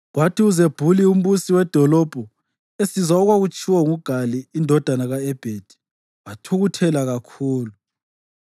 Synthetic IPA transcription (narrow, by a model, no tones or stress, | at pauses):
ɣwatʰiuzeb̥ʱulium̩βusiwɛd̥ʱɔlɔb̥ʱɔ | esizaɔɣwaɣut͡ʃʰʼiwɔŋuɡ̥ʱaliːndʱɔd̥ʱanaɣaɛb̥ʱed̥ʱi̥ | watʰuɣutʰɛlaɣakʰuːlu